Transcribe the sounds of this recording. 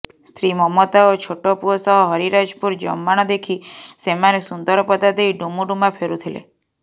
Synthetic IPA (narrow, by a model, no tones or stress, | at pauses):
st̪ʰɾimɔmɔt̪aot͡ʃʰoʈɔpuɔsɔɦɔɦɔɾiɾad͡ʒpuɾd͡ʒɔ̰mːaɽ̃ɔd̪ekʰisemanesund̪ɔɾɔpɔd̪ad̪ejɖumuɖumapʰeɾut̪ʰilḛ